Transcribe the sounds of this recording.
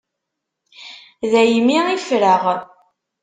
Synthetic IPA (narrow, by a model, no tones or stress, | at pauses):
ðæjmiifɾəʁ